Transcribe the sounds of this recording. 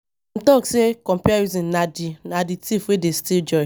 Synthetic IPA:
m̩tɔksekɔ̃mpiaizĩnnadinaditifwedestild͡ʒɔɪ

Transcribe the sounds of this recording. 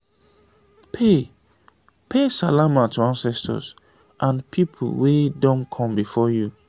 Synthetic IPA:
pʰe | pʰesalamatʰuãnsɛstʰɔ̰s | ʔãnpʰipʰṵlwedɔ̃nkʰɔ̃mbifɔju

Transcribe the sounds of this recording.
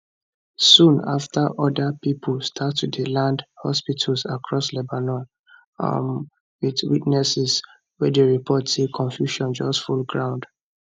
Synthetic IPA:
sũna̰ftʰəʔɔdəpipʰəlstʰatːudilãndhɔspitʰəlsakʰɹɔslɛbanɔ̃n | a̰m | witwitnɛsɛs | wɛdəɹipʰɔtsekʰɔ̃ɱfjuʃɔ̃nd͡ʒɔstfulɡɹãʊ̃nd̥

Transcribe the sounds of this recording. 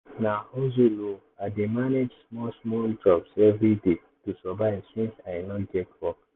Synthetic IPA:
naozulo | ademaned͡ʒsmɔsmɔld͡ʒɔbsɛvɹide | tusɔbaɪsĩnsãnɔɡɛtwɔk

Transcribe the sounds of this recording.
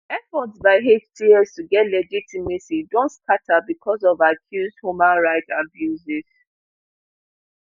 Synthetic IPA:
ɛfɔtsbaɪɦet͡ʃtʰiɛstuɡɛtlɛd͡ʒitimesidõntskatabikʰɔzɔvakʰjuzdhjumãnɹaɪtabjuziz̥

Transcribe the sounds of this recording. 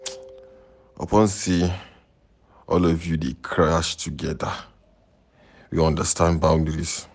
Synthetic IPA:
ʔɔ̰pʰɔ̃nsi | ɔ̰lɔvjudekʰɹaʃtʰuɡɛda | wiɔ̃ndəstãnbãʊ̃ndəɹis

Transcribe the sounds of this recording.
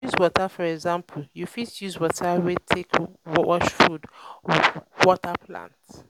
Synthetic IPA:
juzwɔtafɔɹɛɡzãmpʰl̩jufidjizwɔtʰawetʰekwɔɔʃfud | wɔtapʰlã̰nt

